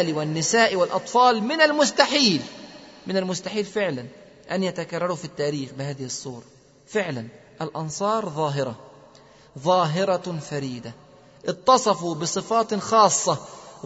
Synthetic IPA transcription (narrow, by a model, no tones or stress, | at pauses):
liwɪnːɪsaːʔwɪlʔɑt̪ˤfɑːlmɪnalmʊst̪aħiːlmɪnalmʊst̪aħiːlfɪʕlan | ʔanjat̪akɑrˤːɑɾˤufit̪ːaːɾiːxbɪhaːðɪhɪsˤːuːɾˤɑ | fɪʕlan | ʔalʔɑnsˤɑːɾˤðˤɑːɦɪɾˤɑ | ðˤɑːɦɪɾˤɑfaɾiːd̪a | ʔɨt̪ːɑsˤɑfubɪsˤɨfɑːt̪xɑːsˤːɑ